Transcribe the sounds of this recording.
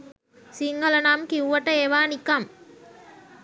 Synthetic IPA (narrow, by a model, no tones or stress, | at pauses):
siŋɡɐlɐnaːmkiuʋɐʈːɐeʋaːnikːaːm